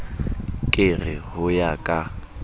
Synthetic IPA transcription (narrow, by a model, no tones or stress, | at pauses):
kʼɪrɪhʊjakʼa